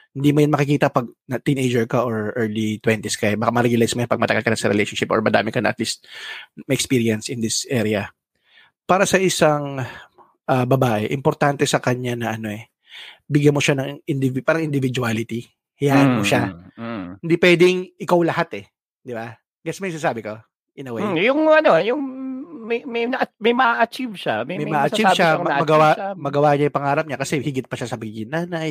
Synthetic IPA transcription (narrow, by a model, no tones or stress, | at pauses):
hɪnd̪imojɐnmɐkɪkiːt̪ɐpɐɡ̚nɐt̪inʔejd͡ʒɛɹkɐʔoɹʔɛɹlit̪wɛnt̪ɪskɐɛbakamɐɾɛɡjʊlajsmojonpɐɡ̚mɐt̪ɐɡalkɐnɐsɐɾɛ̰lejʃonʃɪpʔɔ̰ɹmɐd̪a̰ːmɪkɐnɐ̰ʔɐt̪list̪̚mɐʔɛkspiːɾiɐnsʔɪnd̪ɪsʔɛɾɪɐ | paːɾɐsɐʔɪsaŋ | ʔɐbɐbaːʔɛʔɪmpoɾt̪ant̪ɛsɐkɐɲanɐʔɐno̞ʔɛ | bɪɡjɐmoʃanɐŋŋʔɪnd̪ɪvpaːɾɐŋʔɪnd̪ɪvɪd͡ʒuaːlɪt̪i | hɪjaːʔɐnmoʃa | hɪnd̪ipwɛːd̪ɪŋʔɪkawlɐhat̪ɛ | d̪ɪba | ɡɛsmɛjŋsɪnaːsaːbɪko | ʔɪnɐwɛjʊŋɐnojʊŋmɛmɛjnɐʔɐmɐjmɐʔaʔɐt͡ʃivʃammɐjmɐaʔɐt͡ʃiʃamɐɐɡɐwamɐɡɐwaɲajʊpɐŋaːɾɐp̚ɲakɐsɛhɪɡɪt̪̚pɐʃasɐmɐɡiːɡɪnaːnɐj